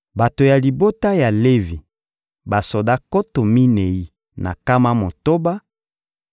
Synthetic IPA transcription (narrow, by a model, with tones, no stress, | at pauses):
ba˨to˨ja˨li˨bo˦ta˦ja˨le˦vi˨ | ba˨so˨da˦ko˦to˨mi˦ne˨i˦ | na̰˨ka˦ma˦mo˨to˦ba˦